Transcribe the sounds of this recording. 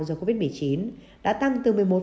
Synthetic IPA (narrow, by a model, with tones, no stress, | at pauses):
zəː˨˧˩ko˧vi˦˥t̚m˨˩jt͡ɕi˨˦n | ɗa̰ː˧˥t̪a˧ŋt̪ɨ˨˩mɨ˨˩əjmo˨˩